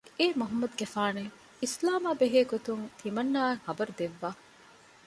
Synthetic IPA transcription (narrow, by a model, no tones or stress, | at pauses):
eːmɐɦɐmːɐd̪uɡefaːne | islaːmaːbeɦeːɡot̪uŋt̪ʰimɐnːaːŋhɐbɐɾud̪eʋːaː